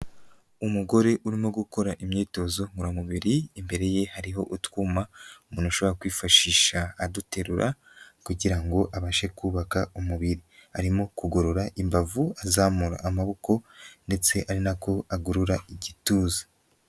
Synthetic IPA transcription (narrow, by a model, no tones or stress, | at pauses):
umuɡo̞ɾe̞ʔuɾimoɡuko̞ɾaʔimɲe̞ːto̞zo̞ŋɡuɾamuβiɾiːmbe̞ɾe̞je̞haɾiɦo̞ʔutwumaumuːnuʃo̞βoɾakwiːfaʃiːʃaːdute̞ɾuɾʔa̰ | kuɟiɾaŋɡo̞ʔaβaʃe̞kuːβakaumuβiɾihaɾimo̞kuɡo̞ɾoɾaʔimbavuazaːmuɾa̰ʔːmaβo̞ko̞nde̞t͡se̞ʔaɾinako̞aɡuɾuɾaʔiɟituːzi̥